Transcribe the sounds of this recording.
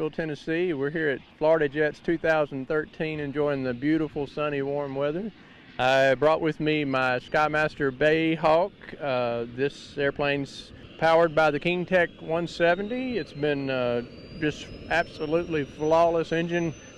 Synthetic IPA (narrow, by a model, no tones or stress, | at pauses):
l̩ˠtʰɛnɨsiwɪɹɦiɹɨtflɔɹəɾɨd͡ʒɛtstʰʉθaʊz̃n̩θɜ˞tʰĩnɨ̃nd͡ʒɔ̃ɪ̃ɪ̃ŋðɨbjʉɾəfl̩ˠsʌñiwɔɹmwɛðə˞ | aɪbɹɔʔwʔɨðmimaɪskaɪmæstə˞beɪɦɑkʌðɪs | ɛɹpʰl̥ẽɪ̃nz̥ | pʰaʊə˞d̚baɪðɨkʰɪ̃ŋtʰɛkwʌ̃nsɛvn̩tiɨtsb̥ɪ̃nʌ | d͡ʒʌstæb̥səlutˡliflɑlˠəsɪ̃nd͡ʒɨ̃n